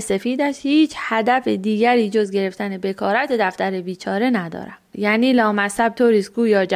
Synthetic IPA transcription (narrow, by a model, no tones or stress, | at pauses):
se̞fiːd̪æʃhiːt͡ʃʰhæd̪æfed̪iːɟæɾiːd͡ʒo̞zɟe̞ɾe̞ft̪æne̞be̞kʰɒːɾæt̪ʰed̪æft̪æɾe̞biːt͡ʃʰɒːɾe̞næd̪ɒ̰ːɾæ̰mjæːniːlɒːmæshæb̚t̪ʰoːɾiːsɡuːjɒːd͡ʒ